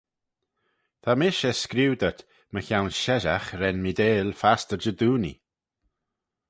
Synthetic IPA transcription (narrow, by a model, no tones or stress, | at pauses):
t̪ʰamɪʃɛskɾiwd̪ət̪ | məçawnʃɛʒaxɾɛnmid̪eːlfastəd͡ʒəd̪uːnḭ